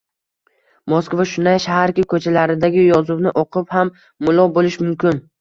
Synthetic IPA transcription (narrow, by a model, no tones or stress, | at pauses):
moskvaʃʊnd̪ajʃahaɾkʲɪkʰɵt͡ʃʰalaɾɪd̪aɡʲɪjɒzʊvnɪʔoqʰɨphamː | ʊlˠɒbolɪʃmʊmkʲʰɪn